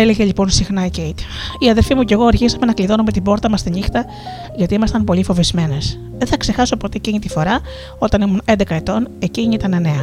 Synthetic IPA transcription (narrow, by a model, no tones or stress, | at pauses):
ele̞ʝe̞lʎipo̞nsixnɐicejt̪i | iɐðe̞lfimuce̞ɣo̞ɐɾçisɐme̞nɐkliðo̞no̞me̞t̪ibo̞ɾt̪ɐmɐst̪inixt̪ɐ | ʝɐt̪iimɐst̪ɐnpo̞lifo̞vizme̞ne̞s | ðeθɐkse̞xɐso̞po̞t̪e̞eciɲit̪ifo̞ɾɐ | o̞t̪ɐnimunend̪e̞kɐet̪o̞ne̞ciɲiit̪ɐnene̞ɐ